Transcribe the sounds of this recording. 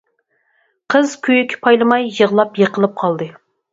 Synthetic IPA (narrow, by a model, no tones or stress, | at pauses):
qʰəz̥kʲʰøjykʲʰɪ̥pʰɑjlˠɨmɑjːəʁlˠɑpjəqʰəlˠɨp̚qʰɑlˠd̪ɨ